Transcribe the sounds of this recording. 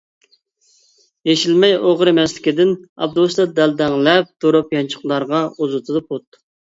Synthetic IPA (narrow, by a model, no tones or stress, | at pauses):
jeʃilmɛjoʁɾemɛslɪ̥kʲid̪ɪnɑ̰b̚d̪uslɑd̪ɛld̪ɛŋlɛp̚d̪̥oɾupjɑnt͡ʃʰə̥χlˠɑɾʁɑuzut̪ʰɨd̪ɨpʰot̪